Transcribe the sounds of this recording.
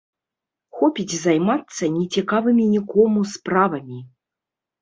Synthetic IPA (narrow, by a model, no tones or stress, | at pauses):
xɔpʲit͡sʲzajmat̪sːɐnʲɛt͡sʲikavɨmʲinʲikɔmuspɾavɐmʲi